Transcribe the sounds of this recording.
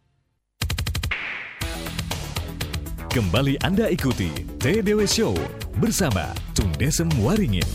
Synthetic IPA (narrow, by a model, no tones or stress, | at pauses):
kəmbaliʔandaikut̪ḭt̪edewesowbərsama̰t̪uŋdesəmwaɾiŋɪ̰n